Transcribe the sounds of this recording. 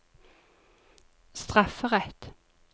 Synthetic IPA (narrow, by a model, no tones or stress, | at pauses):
st̪ʁɑfəʁɛt̪